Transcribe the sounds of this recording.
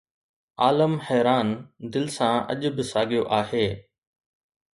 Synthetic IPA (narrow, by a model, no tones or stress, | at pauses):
aːləmhɛːɾaːnd̪ɪlɪsãɐ̰ʄʊ̆bɪsaːɡijoʔaːɦeː